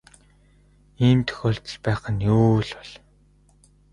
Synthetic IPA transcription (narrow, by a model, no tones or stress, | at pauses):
iːmt̪ʰɵ̥xʲoːɬt̪ə̆ɮpæːχə̆njoːɮʊɮ